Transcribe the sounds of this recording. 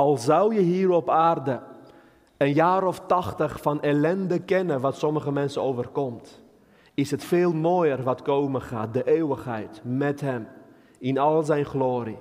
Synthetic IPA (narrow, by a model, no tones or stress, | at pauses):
ɑlˠzɑwjəɦiːɾɔpaːrdə | ənjaːɾɔftɑχtəχfɑnelɛndəkɛnəʋɑtsɔməχəmɛnsəowvərkɔmt | ɪsɦətfeːlˠmoːjərʋɑtkowməχa̰ːt̚dəʔeːwəχɦɛ̰jtmɛtɦɛm | ɪnɑlˠzɛjnχloːɾi